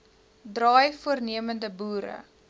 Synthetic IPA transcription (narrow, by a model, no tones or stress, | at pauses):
drɑːjfuərniəməndəbuːɾə̰